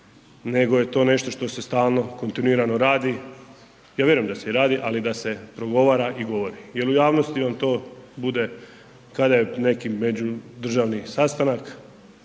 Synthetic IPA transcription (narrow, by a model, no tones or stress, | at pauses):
ne̞ɡo̞je̞t̪o̞ːne̞ʃt̪o̞ʃt̪o̞se̞st̪aːlˠno̞ko̞nt̪inuiːɾano̞ɾaːd̪i | jaːʋjeɾujemd̪aseiɾaːd̪iʔalid̪ase̞pɾo̞ɡo̞ʋaːɾaʔiɡo̞ʋo̞ɾije̞lujaːʋno̞st̪iʋamt̪o̞ːbud̪e̞ | kad̪ajene̞kime̞d͡ʑud̪r̩ʒaʋnisast̪anak